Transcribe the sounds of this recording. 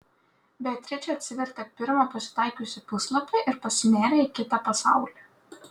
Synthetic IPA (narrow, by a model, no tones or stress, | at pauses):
bʲɛt̪ʲɾʲɛt͡ʃʲɛɐt̪ʲsʲɪʋʲɛɾʲt̪ʲɐpʲɪɾmɐpɐsʲɪ̥t̪ɑˑɪkʲuːsʲɪpʊslˠɐpʲɐɪʔɪɾpɐsʲmʲæːɾʲeɪkʲɪt̪ɐpɐsɑˑʊlʲɛː